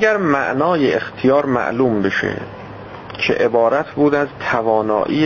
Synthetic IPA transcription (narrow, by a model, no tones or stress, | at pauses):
ɡæɾmæ̰ʔnɒːjeʔext̪ʰijɒːɾmæ̰ʔluːmbe̞ʃḛ | cʰḛʔebɒːɾæt̪ʰbuːd̪æzt̪ʰævɒːnɒ̰ːʔiː